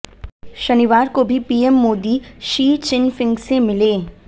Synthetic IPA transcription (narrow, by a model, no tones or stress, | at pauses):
ʃɐniʋaːɾkobʱipiːemːoːd̪iʃiːt͡ʃɪnfɪ̃ŋɡsemɪleː